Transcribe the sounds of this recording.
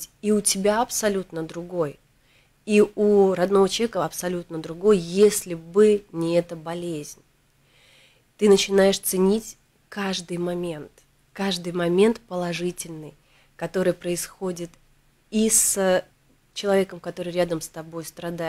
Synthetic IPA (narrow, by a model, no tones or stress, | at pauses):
iʊtʲɪbʲaɐpsɐlʲut̪nəd̪ɾʊɡo̞j | iuɾɐd̪no̞vət͡ɕ̪ˠɐvekəɐpsɐlʲut̪nəd̪ɾʊɡo̞jjesʲlʲɪbɨnʲɪɛt̪əbɐlʲezʲnʲ | t̪ɨnət͡ɕɪnajɪʂt̪sɨnʲitʲ | kaʐd̪ɨjmɐmʲe̞nt̪ | kaʐd̪ɨjmɐmʲe̞nt̪pəlˠɐʐɨtʲɪlʲnɨj | kɐt̪o̞ɾɨjpɾəɪsxodʲɪt̪ | is | t͡ɕɪlˠɐvʲe̞kəmkɐt̪o̞ɾɨjɾʲad̪əmst̪ɐbo̞jst̪ɾɐd̪a